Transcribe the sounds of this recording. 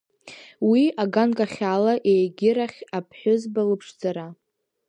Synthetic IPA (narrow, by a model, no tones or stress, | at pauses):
wiaɡankʼaχʲalaʔejɡʲɪɾaχʲapʰħʷʊzbalɨpʰʂd͡zaɾa